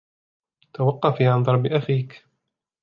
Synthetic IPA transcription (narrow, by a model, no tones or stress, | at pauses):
t̪awɑqːɑfiːʕand̪ˤɑɾˤbɪʔafiːk